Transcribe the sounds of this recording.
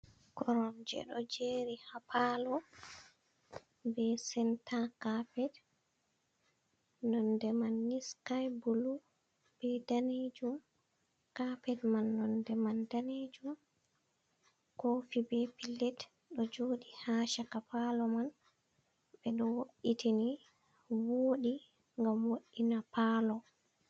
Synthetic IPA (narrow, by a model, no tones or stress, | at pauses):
kɔɾɔnd͡ʒɛ̰ɗɔd͡ʒeːɾihapʰalɔ | bɛsɛntʰakapɛd | nɔndɛmanːiskajbulu | b̥ɛdaned͡ʒum | kapɛdmanːɔndɛmandaned͡ʒum | kofibɛpilːɛt | ɗɔd͡ʒoːɗihaʃakapalɔman | bɛɗɔwoɗitʰeni | woːɗi | ŋɡamwoɗːinapalɔ